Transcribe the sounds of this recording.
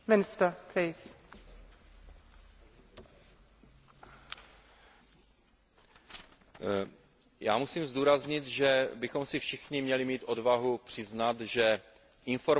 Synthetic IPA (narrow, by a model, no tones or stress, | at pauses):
mɪnɪst̪əkɾɛjs | ja̰ːmusiːmzduːɾazɲɪt̪ʒɛbɪxo̞msɪfʃɪxɲɪmɲɛlɪmiːt̪ʔo̞dvaɦupr̥ɪznat̪ʒɛ | ʔɪnfo̞ɾ